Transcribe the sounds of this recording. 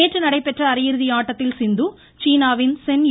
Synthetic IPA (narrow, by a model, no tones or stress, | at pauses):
eːʈrɯnɐɽɐɪpːɛʈrɐːɾɐjɪɾɯðɪaːʈːɐt̪ːɪlsɪnd̪u | t͡ʃiːnaːʋɪnsɛnj